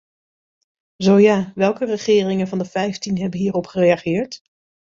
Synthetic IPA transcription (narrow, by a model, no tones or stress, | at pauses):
zowjaːʋɛlˠkərəχɪːrɪŋənvɑndəvɛjftinɦɛbənɦiːrɔpχərejaχɪːɹt